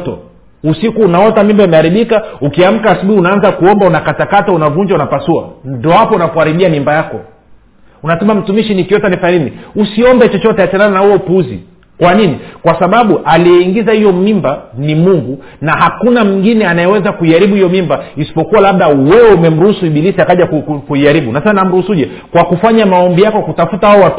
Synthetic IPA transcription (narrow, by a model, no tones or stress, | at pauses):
tɔ̰ | usikuːnaɔtamimbaimɛaɾiɓikaukiam̩kaːsuɓuhiunaanzakuɔmbaunakatakataunavuɲd͡ʒaunapasua̰ndɔhapɔnakuhaɾiɓiamimbajakɔ̰ | unasɛmam̩tumiʃinikjɔtanifaniniusiɔmbɛt͡ʃɔt͡ʃɔtɛat͡ʃanananahuɔpuzḭ | kwaninikwasaɓaɓuʔalijɛiŋɡizahijɔmimbanimuŋɡu | nahakunamiŋɡinɛanajɛwɛzakuiaɾiɓuhijɔmimbaisi̥pɔkuwalaɓ̚ɗawɛwɛumɛm̩ɾuhusuiɓilisiakaʄakukkuiaɾiɓunasɛsaninam̩ɾuhusuuʄɛ | kwakufaɲamaɔmbijakɔkutafutawaɔwa